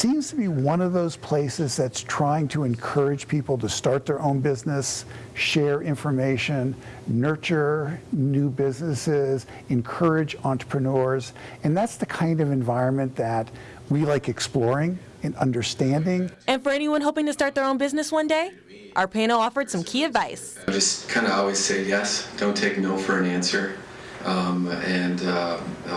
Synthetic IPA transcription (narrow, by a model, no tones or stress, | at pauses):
sĩmz̥tʰəbiwʌ̃nʌvðoʊz̥pʰl̥eɪsɨzðɨtstʰɹ̥aɪɪ̃ŋtʰəɨ̃nkʰɜ˞ɨd̥ʒ̥pʰipl̩ˠtɨstɑɹt̪̚ðə˞ʔõʊ̃nbɪznɨs | ʃɛɹɪ̃ɱfə˞meɪʃɨ̃nː | ɜ˞t͡ʃə˞nʉbɪznɨsɪz | ɨ̃nkʰɜ˞ɪd͡ʒɑ̃nt͡ʃɹ̥ə̥pʰɹ̥ɨnɔɹz | ɨ̃nðætsðɨkʰãɪ̃ndʌvɨ̃ɱvaɪɹɨ̃nmɨ̃nðɨt̚ | wilaɪkɨksplɔɹɪ̃ŋ | ɨ̃nʌ̃ndə˞stæ̃ndɪ̃ŋɨ̃nfə˞ɛniwʌ̃nɦoʊpɪ̃ŋtɨstɑɹt̪̚ðə˞õʊ̃nbɪznɨswʌ̃ndeɪ | ʔaə˞pʰẽɪ̃nl̩ˠɔfə˞d̥sʌ̃mkʰiɨdvaɪs | d͡ʒʌskʰãɪ̃ndəɔlˠwiz̥seɪjɛsd̥õʊ̃ntʰeɪk̚noʊfə˞ɨ̃næ̃nsə˞ | ʔʌ̃mɨ̃n